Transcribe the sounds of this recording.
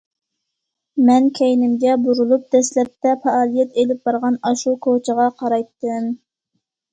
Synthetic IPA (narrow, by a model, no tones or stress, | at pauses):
mɛnkʲʰɛjnɪmɡʲɛbuɾulˠup̚d̪̥ɛslɛp̚t̪ʰɛpɑɑːlˠijɛt̪elɪp̚bɑɾʁɑnɑʃukʰot͡ʃʰəʁɑqʰɑɾɑjt̪ːɨm